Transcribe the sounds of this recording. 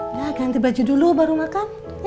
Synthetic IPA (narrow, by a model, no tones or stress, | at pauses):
laɡant̪ibad͡ʒudulubaɾumakam